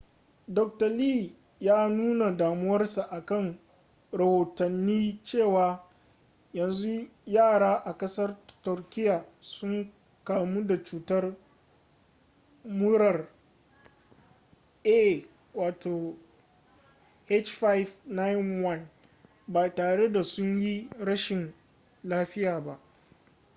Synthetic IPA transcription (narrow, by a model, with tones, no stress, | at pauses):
dɔ˨k̚tɐ˨liː˦˨ | jaː˦nuː˦na˨daː˨mʊ˦wɐ˦rsa˨ʔa˨kɐ˦˨ŋ | ɾɐ˨hoː˨tɐ˨nːiː˦t͡ʃeː˦˨waː˨ | jɐ˨nzu˦jaː˦˨ɽaː˦ʔa˨kɐ˦sɐ˦rtʊ˨rkʲɪ˦jaː˨sʊ˦ŋ | kaː˨mu˦da˨t͡ʃuː˨tɐ˦r | mʊ˦ɽɐ˨r | ʔe˦˨ | waː˨tʰoː˨ | ʔe˦t͡ʃɸa˦jvna˦jɪ˦nwɐ˦n | ba˨taː˨ɽe˦da˨sʊ˦ɲji˦ɽɐ˦ʃɪ˨n | laː˦ɸɪ˦jaː˨ba˦ʔ